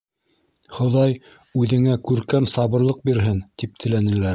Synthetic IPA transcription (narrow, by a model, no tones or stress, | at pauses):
χŏðɑj | ʉðɘ̆ŋækʉɾkæmsɑβɤ̆ɾlˠɤq̚biɾɦɘnt̪ip̚t̪ʰɘ̆lænɘ̆læɾ